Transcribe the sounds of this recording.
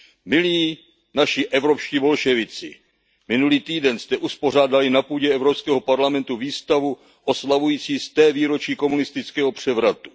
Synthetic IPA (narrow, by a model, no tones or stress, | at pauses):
mɪliː | naʃɪʔɛvɾo̞pʃciːvo̞lʃɛvɪt͡sɪ̰ | mɪnuliːt̪iːdɛnst̪ɛʔuspo̞r̝aːdalɪnapuːɟɛɛvɾopskɛːɦo̞paɾlamɛnt̪uviːst̪avu | ʔo̞slavujiːt͡siːst̪ɛːviːɾo̞t͡ʃiːko̞munɪst̪ɪt͡skɛːɦo̞pr̝̥ɛvɾat̪u̥